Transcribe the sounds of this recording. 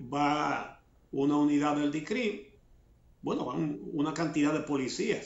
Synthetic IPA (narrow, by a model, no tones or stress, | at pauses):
ba | unauniðaððeld̪ikɾim | bwenoβa̰unakant̪iðaðepolisias